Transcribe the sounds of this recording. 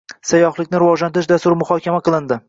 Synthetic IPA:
sajɒχlˠɪkʲnɪɾɪvɒʒlant̪ʰɪʃ̬d̪ast̪ʊɾmʊχɒkʲamaqʰɨlˠɪnd̪ɪ

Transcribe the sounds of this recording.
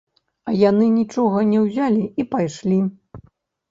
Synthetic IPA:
ɐjanɨnʲit͡ʂɔɣɐnʲɛwzʲalʲiipajʂlʲi

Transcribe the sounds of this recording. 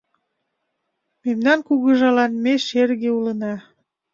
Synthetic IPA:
memnɑnkuɣə̆ʒɑlɑnmeʃerɣeulənɑ

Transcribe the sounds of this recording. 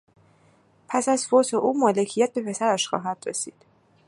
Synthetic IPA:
pʰæsæzfot̪ʰeʔuːmɒːle̞cʰijæt̪̚be̞pʰe̞sæɾæʃxɒ̰ːɦæd̪̥ɾḛsḭːd̪̥

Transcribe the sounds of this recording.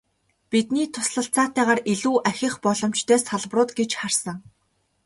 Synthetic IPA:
pit̪niːt̪ʰʊsɮə̆ɬt͡saːt̪æːʁaːriɮuːʔæxʲɪ̆χpɔɮɞ̆m̥t͡ɕt̪ʰœːsaɮprʊːt̪ɡet͡ɕχarsə̆ŋ

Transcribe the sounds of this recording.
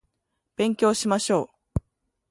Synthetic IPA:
b̥ẽ̞ŋkʲo̞ːɕimaɕo̞ː

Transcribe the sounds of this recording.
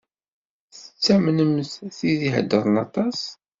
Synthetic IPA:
θə̥t͡sːæmnəmθθiðiɦə̰d̪ːəɾˤnɑt̪ˤɑs

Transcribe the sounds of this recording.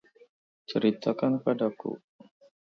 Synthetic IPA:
t͡ʃəɾit̪akanpadakṵ

